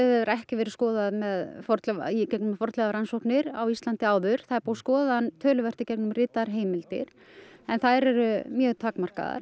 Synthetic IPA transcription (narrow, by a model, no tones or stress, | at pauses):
ɛðɛvɾɛhcɪvɛːɾɪ̥skɔːðaðmɛðfɔɾt̪lɛicɛknʏmfɔɾ̥t̪lɛɣaɾansɔhknɪɾawist̪ant̪ɪaːwðʏɾ̥θaðpuwskɔːðaanːt̪ʰœːlʏvɛr̥t̪ɪcɛknʏmrɪːt̪aɾ̥ɦeːjmɪlt̪ɪ̰ɾ̥ | ɛnθaðɾɛɾʏmjœːɣt̪ʰaːkmar̥ka̰ða̰ɾ